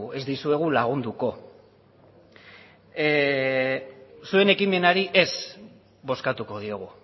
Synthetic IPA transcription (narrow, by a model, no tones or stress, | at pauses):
ue̞zd̪isue̞ɣ̞ulaɣ̞und̪uko̞ | sue̞ne̞kime̞naɾiʔe̞s | bo̞skat̪uko̞ð̞io̞ɣ̞u